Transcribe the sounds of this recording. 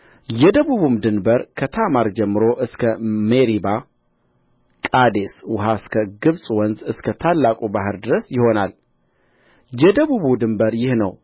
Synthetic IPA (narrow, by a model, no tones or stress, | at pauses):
jɛd̪əβuβumd̪ɨnbəɾkʰət̪ʰamaɾd͡ʒɛmːɨɾo̞ʔɨskʰəmeɾiba | kʼad̪e̞swʊɦaɨskʰəɡɨβsʼwɔnzɨskʰət̪ʰalːakʼubaɦɨɾd̪ɨɾəsjɪho̞nal | jɛd̪əβuβud̪ɨmbəɾjɪhnəw